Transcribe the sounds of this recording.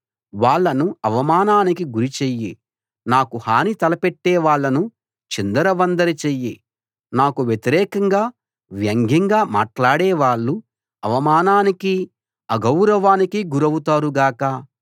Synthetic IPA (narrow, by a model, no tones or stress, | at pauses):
ʋaːɭːɐnuɐʋɐmaːnaːnikiɡuɾit͡ʃeːji | naːkuhaːnit̪ɐlɐpeʈːɛːʋaːɭːɐnu | t͡ʃind̪ɐɾɐʋɐnd̪ɐɾit͡ʃeji | naːkuʋjet̪iɾɛːkɐŋɡaː | ʋjɐŋɡʱiŋɡaːma̰ːʈlaːɽɛːʋaːɭːu | ɐʋɐmaːnaːniki | ɐɡɐwɾɐʋaːnikiɡuɾɐwut̪aːɾuɡaːkɐ